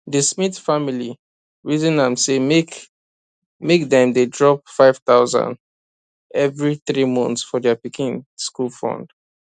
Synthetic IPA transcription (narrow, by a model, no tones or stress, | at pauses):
dəsmitfamili | ɹizĩnãmsemek | mekdɛ̃mdedɹɔp̚faɪv̥t̪aʊzã̰nd | ɛvɹiθɹimɔ̰̃nθsfɔdɛapikĩnskulfɔ̰̃nd̥